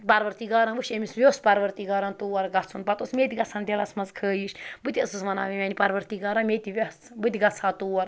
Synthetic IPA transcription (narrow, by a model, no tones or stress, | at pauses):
pɐɾʋɐɾt̪iːɡaːɾanʋuʃemisʋʲjoːspɐɾʋɐɾt̪iːɡaːɾant̪uːɐɾɡɐt͡sʰunpɐt̪osmeːt̪ʲiɡɐt͡sʰand̪ʲelɐsmɐnzkʰəːjiʃbɨt̪iɐsɨsmɐna̰ːʋimʲenipɐɾʋɐɾt̪iːɡaːɾanmʲeːt̪ʲiʋʲɐs | bɨt̪ʲiɡɐt͡sʰaːt̪uːɐɾ